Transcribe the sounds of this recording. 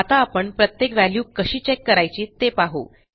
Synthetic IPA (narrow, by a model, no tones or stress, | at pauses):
at̪aːpəɳpɾət̪jekʋæljuːkəɕiːt͡ɕekːəɾajt͡ɕiːt̪epaɦo̰